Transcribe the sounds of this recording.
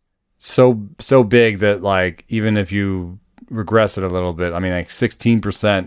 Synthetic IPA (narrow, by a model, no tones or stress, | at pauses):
soʊsoʊbɪɡ̚ðɨt̚laɪkivɨ̃nɨfjɨ | ɹɨɡɹɛsɨɾəlɪɾl̩ˠbɪtaɪmĩnlaɪksɪkstʰĩnpʰə˞sɛ̃nt